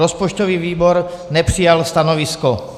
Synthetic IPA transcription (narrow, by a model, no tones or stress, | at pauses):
ɔspɔt͡ʃt̪ɔʋiʋiːbɔɾnɛpɾijalst̪anɔʋiskɔ